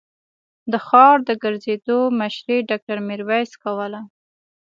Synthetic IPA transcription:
d̪əxɑɾd̪əɡəɾzed̪omaʃɾeɖɑk̚ʈaɾmɪɾwajskawəla

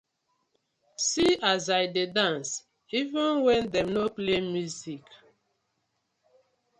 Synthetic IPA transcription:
siazajdedãns | ivə̃nwɛ̃ndɛ̃mnoplemjuzik

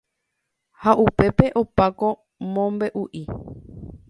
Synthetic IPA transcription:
haʔupe̞pe̞ʔo̞pako̞ | mõmbe̞ʔuʔi

